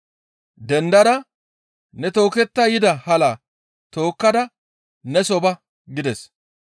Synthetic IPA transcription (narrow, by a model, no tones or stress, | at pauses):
d̪ɛnd̪ɐɾɐ | nɛt̪o̞ːkɛt̪ːɐjɪd̪ɐhɐlaː | t̪o̞ːkːɐd̪ɐ | nɛsɔbɐ | ɡɪd̪ɛs